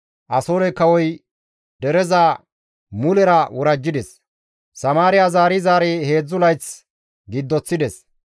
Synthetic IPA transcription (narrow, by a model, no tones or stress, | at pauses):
ʔɐsoːɾɛkɐwɔj | d̪ɛɾɛza | mʊlɛɾɐwɔɾɐd͡ʒːɪd̪ɛs | sɐmaːɾɪjazaːɾɪzaːɾehe̞ːd͡zːʊlɐjt͡s | ɡɪd̪ːɔt͡sːɪd̪ɛs